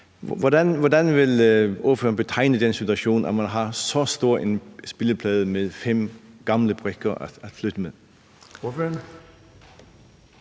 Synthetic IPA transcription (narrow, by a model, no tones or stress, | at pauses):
ʋɒdænʋɒdænʋe̝loɐføːɐnb̥e̝t͡sʰɑ̈ɪ̰nəd̥ensit͡sʰuæɕo̝̰ːnæmænɦɑ̈sɒsd̥o̝ɐ̰ensb̥eləpʰlɛːð̞ˠəmeðˠfem̰ɡ̥ɑ̈mləb̥ʁeɡ̥ɐʔæ̥æ̥flyd̥əmeðˠ | føn